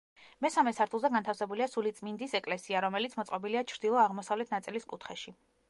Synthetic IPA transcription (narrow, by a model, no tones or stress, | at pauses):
mɛsamɛsaɾt̪ʰulˠzɛɡant̪ʰafsɛbuliasulit̪sʼmind̪isɛkʼlɛsiaɾɔmɛlit̪sʰmɔt̪sʼqʼɔbiliat͡ʃʰɾd̪ilˠɔaʁmɔsavlɛt̪ʰnat̪sʼiliskʼut̪ʰχɛʃi